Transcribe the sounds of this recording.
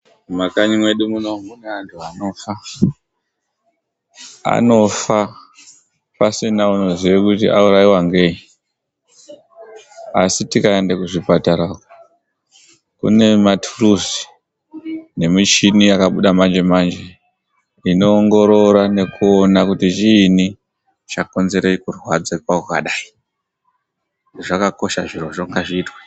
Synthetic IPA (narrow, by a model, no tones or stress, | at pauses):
makaɲimwe̞ɗumuno̞mune̞antʰuano̞fa | a̰no̞fa | pasinauno̞ziʋekutiʔauɾaiwaŋɡe̞ɲi | asitikaendekuʐipataɾaːko | kṵne̞matʰuruzi̥ | ne̞mit͡ʃinijakaɓuɗamand͡ʒe̞mand͡ʒe̞ | ino̞ːŋɡo̞ɾo̞ɾane̞kuonakutit͡ʃiːni | t͡ʃako̞nze̞ɾeikurwad͡zekwakwakaɗaːi | ʐakako̞ʃaʐiroʐoŋɡaʐiːtwe